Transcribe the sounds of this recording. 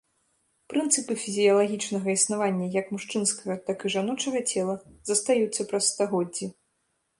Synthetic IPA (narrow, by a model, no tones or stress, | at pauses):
pɾɨnt̪sɨpɨfʲizʲijɐlˠaɣʲit͡ʂnɐɣɐisnavanʲːɐjɐkmuʂt͡ʂɨnskɐɣɐt̪akɨʐanɔt͡ʂɐɣɐt͡sʲɛlˠɐzɐst̪ajut̪sːɐpɾɐsːt̪aɣɔdd͡zʲːi